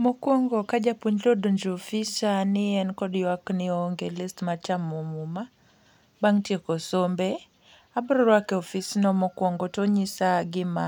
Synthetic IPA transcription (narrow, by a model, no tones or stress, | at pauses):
mɔkwɔŋɡɔkad͡ʒapuɲlodoɲd͡ʒɔfisanɪɛnkɔdwaknɪɔŋɡelɪstmat͡ʃamɔmuma | baŋtjekɔsombɛ | abɾɔɾwakɛɔfisnɔmɔkwɔŋɡɔtoɲisaɡɪma